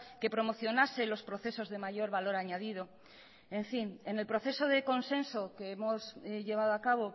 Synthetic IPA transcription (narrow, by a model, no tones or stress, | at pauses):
ke̞pɾo̞mo̞θjo̞nase̞lo̞spɾo̞θe̞so̞zðe̞maʝo̞ɾβalo̞ɾaɲað̞ið̞o̞ | e̞ɱfine̞ne̞lpɾo̞θe̞so̞ð̞e̞ko̞nsẽ̞nso̞keemo̞sʎe̞β̞að̞oakaβ̞o̞